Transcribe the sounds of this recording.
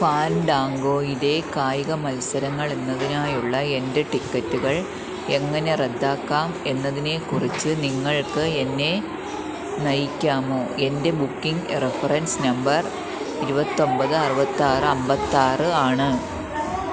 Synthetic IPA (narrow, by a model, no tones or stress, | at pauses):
faːnɖaːŋɡo̞ːiðe̞kaːjiɣɐmɐlsɐɾɐŋːɐɭe̞nːɐðinaːjuɭːɐe̞nde̞ʈikːɐtːuɣɐɭ | e̞ŋːɐne̞red̪ːaːkːaːme̞nːɐðine̞kurit͡ɕːɨniŋːɐɭkɨenːe̞ | nɐjikʲːaːmo̞ːe̞nde̞bukːiŋɡrefɐrɐnsnɐmbɐr | iɾubɐt̪ːo̞mbɐðɨɐrɨbɐt̪ːaːrɨɐmbɐt̪ːaːrɨaːɳɨ